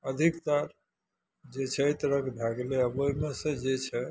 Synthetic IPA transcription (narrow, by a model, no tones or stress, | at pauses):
əd̪ʱikt̪aɾ | d͡ʒet͡ʃʰɛt̪ɾəkʰb̪ʱaɡleəboimesẽd͡ʒet͡ʃʰɛ